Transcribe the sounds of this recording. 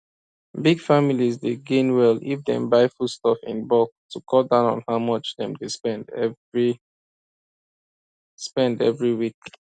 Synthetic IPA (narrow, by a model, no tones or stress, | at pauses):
biɡfamilizdeɡẽnwɛlifdɛ̰̃mbaɪfustɔfḭ̃nbɔktʰukʰɔlˠdãʊ̃nɔ̰̃nhaʊmʌt͡ʃðɛ̰̃mdespɛ̃nd | spɛ̃ndɛvɹiwik̚